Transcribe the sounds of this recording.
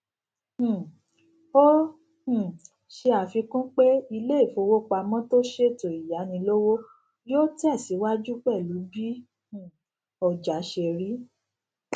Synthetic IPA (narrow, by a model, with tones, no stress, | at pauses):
h̩˨ | o˦ | h̩˦˨ | ʃe˧a˨fi˧kũ˦k͡pe˦i˧le˦i˦˨fo˧wo˦k͡pa˧mɔ̃˦to˦ʃe˦˨to˨i˨ja˨˦nĩ˧lo˦wo˦ | joː˦ti˦a˦˨si˨˦wa˦d͡ʒu˦k͡pɛ˦˨lu˨˦bĩ˦˨ | ɔ˨d͡ʒa˨˦ʃe˧ɾi˨˦